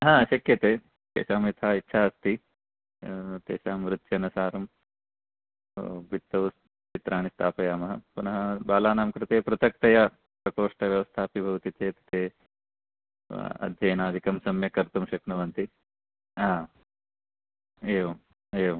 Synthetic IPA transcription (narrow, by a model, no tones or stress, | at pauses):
ɦãːɕɐkjɐt̪eː | t̪ḛːɕaːmit̪ʰaːitːʃʰaːɐst̪i | t̪ḛːɕaːmɾɪt̪jɐnɐsaːɾɐm | bit̪ːɐʋs | t͡ʃit̪ɾaːɳ̃ist̪ʰaːpɐjaːmɐɦɐ̰punɐɦɐbaːlaːnaːmkɾɪt̪eːpɾɐt̪ɐk̚t̪ɐja | pɾɐkoːʂʈɐʋjɐʋɐst̪ʰaːpibʱɐʋt̪iteːt̪ɐ̥t̪eː | ɐ̰d̪ʱjɐjnaːd̪ʱikɐmsɐmjɐkɐɾt̪umʃɐknɐʋɐnt̪i | ɦãː | eːʋɐ | eːʋɐ